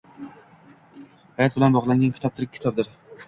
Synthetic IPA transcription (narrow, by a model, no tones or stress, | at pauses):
hajɒt̪̚bɪlanbɒʁlˠaŋɡʲankʰʲɪ̥t̪ʰɒp̚t̪ʰɪɾkʲʰːɪ̥t̪ʰɒb̚d̪ɪɾ